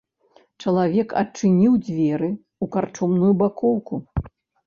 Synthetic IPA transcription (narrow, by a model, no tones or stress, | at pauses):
t͡ʂɐlˠavʲɛkɐ̰t͡ʂɨnʲiwd͡zʲvʲɛɾɨ | ukart͡ʂɔmnujubakɔwku